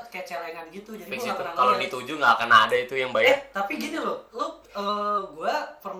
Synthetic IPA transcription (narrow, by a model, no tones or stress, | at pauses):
kajat͡ʃalaŋadɡit̪ud͡ʒadiiksiat̪unakalodit̪ud͡ʒuŋɡakənaːdait̪ujaŋbajat̪apiɡit̪ulʊhlʊ | əːɡuapərm